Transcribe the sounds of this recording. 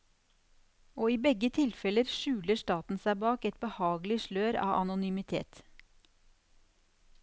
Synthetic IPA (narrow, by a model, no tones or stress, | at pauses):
oːiːbɛɡət̪ʰɪlfɛləɾʃʉːləʃt̪ɑːt̪n̩sæɪbɑːkɛt̪̚bəhɑːɡl̩ɪʃløːɾɑ̰ːʔɑ̰nʊnymɪt̪ʰḛːt̪